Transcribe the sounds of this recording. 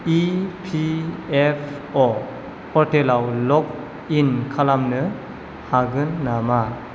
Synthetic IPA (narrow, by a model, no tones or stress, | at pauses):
ipʰiepʰ | ɔ | pʰɔɾtʰelawlɔk̚ | inkʰalamnɯ | haɡɯnːama